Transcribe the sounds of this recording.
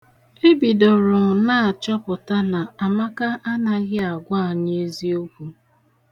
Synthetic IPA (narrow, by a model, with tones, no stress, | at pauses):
e˦bi˨do˨ɾʊ˨ŋ̩˨na˦a˨t͡ʃɔ˦pʊ˨ta˦na˨a˨ma˦ka˦ʔa˦na˦ɣɪ˦a˨ɡʷa˦˨ɲ˦e˦zi˦o˦kʷu˦